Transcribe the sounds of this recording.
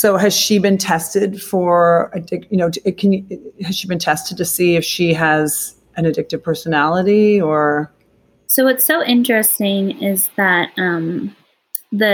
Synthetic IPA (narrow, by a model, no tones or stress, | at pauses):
soʊɨz̥ʃibɨ̃ntʰɛstɪd̥fə˞ɨdɪk̚jɨnoʊkʰɨ̃njhɨz̥ʃibɨ̃ntʰɛstɨd̚tʰɨsiɨfʃiɨz̥ | ɨ̃nɨdɪk̚tɨv̥pʰɜ˞sɨnælˠəɾiə˞ | soʊwʌtsoʊʔɪ̃nt͡ʃɹ̥ɨstɪ̃ŋɪzðɨt̚ʌ̃m | ðɨ